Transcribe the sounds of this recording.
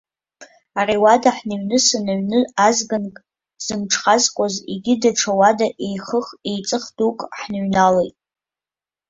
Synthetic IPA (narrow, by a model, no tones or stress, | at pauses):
ariwadaħnaɥnɨsanaɥnɨazɡankʼ | z̥ɨmʈ͡ʂʰχazkʷʼazḭɡʲɪdaʈ͡ʂʰawadaʔejχəχe̞jt͡sʼɨχdukʼħnaɥnalejtʼ